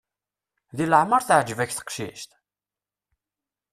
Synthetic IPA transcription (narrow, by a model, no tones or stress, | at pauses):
ðiləʕməɾˤθəʕd͡ʒəvæçθə̥qʃḭʃt̪